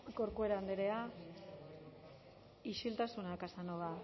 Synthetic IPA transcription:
koɾkue̞ɾand̪eɾea | iʃilt̪asunakasanoða

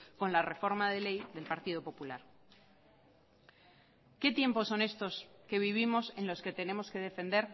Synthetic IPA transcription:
ko̞nlare̞fo̞ɾmaðe̞le̞jðe̞lpaɾt̪iðo̞po̞pula̰ɾ | ke̞t̪je̞mpo̞sːo̞ne̞st̪o̞ske̞β̞iβ̞imo̞se̞nlo̞ske̞t̪e̞nẽ̞mo̞ske̞ð̞e̞fe̞nd̪e̞ɾ

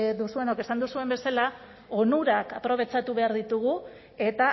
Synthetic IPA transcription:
d̪usue̞noke̞sand̪usue̞mbe̞sala | onuɾakapɾo̞β̞e̞t͡ʃat̪uβe̞aɾðit̪uɣ̞u | e̞t̪a

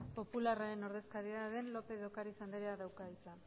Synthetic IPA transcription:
po̞pularaɾe̞no̞ɾðe̞skaðiaðe̞nlo̞pe̞ðo̞kaɾisand̪eɾeaðawkait͡sa

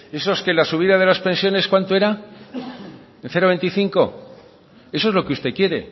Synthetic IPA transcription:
e̞soske̞lasuβ̞iðaðe̞laspe̞nsjo̞ne̞skwant̪oe̞ɾa | enθe̞ɾoβe̞nt̪iθiŋko̞̰ | e̞s̬oe̞zlo̞keust̪e̞kje̞ɾe̞̰

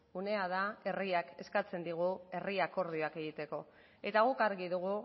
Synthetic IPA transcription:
une̞að̞ae̞riake̞skat͡se̞nd̪iɣue̞riako̞ɾð̞ioake̞ɣ̞it̪e̞ko̞ | e̞t̪aɣ̞ukaɾɣiðuɣ̞u

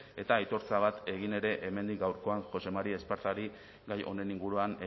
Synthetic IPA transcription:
e̞t̪aːjt̪o̞ɾt͡saβ̞at̪e̞ɣ̞ine̞ɾe̞ʔeme̞nd̪ik̚ɡawɾko̞aŋxo̞se̞maɾiespaɾt̪aɾi | ɡajo̞̰ne̞niŋɡuɾuan

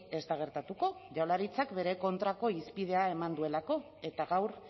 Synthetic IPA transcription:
e̞st̪aɣ̞e̞ɾt̪at̪uko̞ʝawlaɾit͡sakbe̞ɾe̞ko̞nt̪ɾako̞ispið̞e̞ae̞mand̪ue̞lako̞ | e̞t̪aɣawɾ

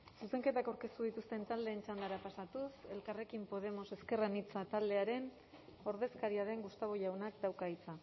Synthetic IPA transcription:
suse̞ŋke̞t̪akawɾke̞st̪uðit̪ust̪e̞nt̪ald̪e̞ːnt͡ʃand̪aɾapasat̪use̞lkare̞kimpo̞ð̞e̞mo̞se̞ske̞ranit͡sat̪ald̪e̞aɾe̞n | o̞ɾðe̞skaɾiaɾe̞ŋɡust̪aβ̞o̞ʎawnakd̪awkait͡sa

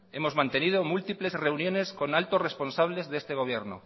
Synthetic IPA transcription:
e̞mo̞zmãnt̪e̞nið̞omult̪iple̞zre̞unjõ̞nesko̞nalt̪orespo̞nsaβ̞le̞zðe̞st̪eɣ̞o̞β̞jeɾno̰

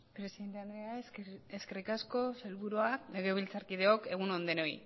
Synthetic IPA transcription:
pɾe̞siðent̪eand̪ɾe̞aeske̞rikasko̞selβuɾuale̞ɣ̞e̞β̞ilt͡saɾkið̞e̞o̞ke̞ɣ̞unond̪e̞no̞j

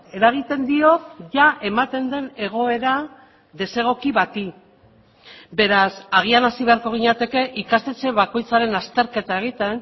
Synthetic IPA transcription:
e̞ɾaɣ̞it̪e̞nd̪io̞kʝaʔe̞mat̪e̞nd̪e̞ne̞ɣ̞o̞e̞ɾa | ðe̞se̞ɣ̞o̞kiβat̪i | be̞ɾasaɣ̞ianasiβe̞aɾko̞ɣ̞iɲat̪e̞ke̞ʔikast̪e̞t͡se̞βako̞jt͡saɾe̞nast̪e̞ɾke̞t̪ae̞ɣ̞it̪e̞n

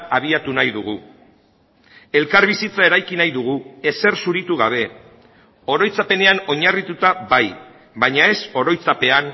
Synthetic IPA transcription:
aβ̞iat̪unajðuɣ̞u | e̞lkaɾβ̞isit͡sae̞ɾajkinajðuɣ̞ue̞se̞rsuɾit̪uɣ̞aβ̞e̞ | o̞ɾo̞jt͡sape̞ne̞ano̞ɲarit̪ut̪abaj | βaɲae̞so̞ɾo̞jt͡sape̞an

